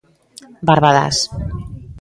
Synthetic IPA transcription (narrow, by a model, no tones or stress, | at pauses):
baɾβaða̰s